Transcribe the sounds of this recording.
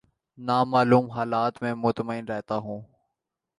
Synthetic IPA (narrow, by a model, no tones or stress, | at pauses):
naːmaːluːmɦaːlaːt̪mẽːmʊt̪məɪnɾɛɦt̪aɦũː